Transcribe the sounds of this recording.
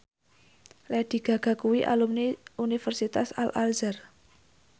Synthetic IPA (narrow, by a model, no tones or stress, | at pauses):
lɛɖ̪̥i̤ɡ̥ä̤ɡ̥ä̤kuwiʔa̰lumniunifərsit̪asalʔalzər